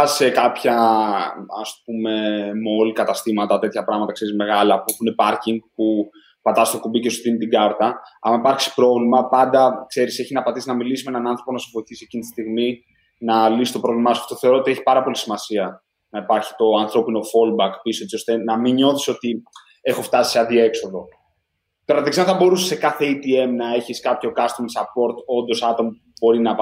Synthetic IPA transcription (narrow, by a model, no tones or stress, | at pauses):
sekɐpçɐ | ɐ̰spp̚ume̞mo̞likɐt̪ɐst̪imɐt̪ɐt̪e̞t̪çɐpɾɐɣmɐt̪ɐkse̞ɾizme̞ɣɐlɐpuexunepɐɾciŋɡpu | pɐt̪ɐsist̪okubice̞st̪ot̪int̪iɡɐɾt̪ɐɐmɐipɐɾçi̥spɾo̞vlimɐpɐnd̪ɐkse̞ɾiseçinɐpɐt̪isinɐmilisimenɐnɐnθɾo̞po̞nɐsevo̞iθisie̞cinit̪i̥st̪iɣmi | nɐlisist̪o̞pɾo̞vlimɐɐsɐft̪oθeo̞ɾoot̪ie̞çi̥pɐɾɐpo̞lisimɐsiɐ | nɐipɐɾçi̥t̪o̞ɐnθɾo̞pino̞fo̞lbɐkpisoet͡sio̞st̪e̞nɐmiɲo̞θiso̞t̪i | e̞xo̞ft̪ɐsi̥seɐðie̞kso̞ðo̞ | t̪oɾɐɐt̪iksinθɐbo̞ɾuse̥se̞kɐθe̞it̪ie̞mnɐe̞çiskɐpço̞kɐst̪omsɐpo̞ɾt̪o̞nd̪o̞sɐt̪o̞mɐ | bo̞ɾinɐ